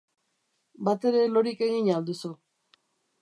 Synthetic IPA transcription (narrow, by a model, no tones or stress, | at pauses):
bat̪e̞ɾe̞lo̞ɾike̞ɣiɲald̪usu